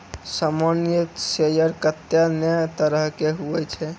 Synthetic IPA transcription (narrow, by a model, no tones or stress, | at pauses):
samanjət̪sejəɾkət̪janɛt̪əɾəɦkeɦuɛt͡ʃʰɛ